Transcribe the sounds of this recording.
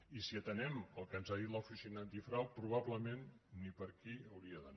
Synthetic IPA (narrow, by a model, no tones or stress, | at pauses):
isiət̪ənɛməlˠkənzaðit̪ləufisinant̪ifɾawpɾuβ̞aβləmẽnːipəɾkiəwɾiəðən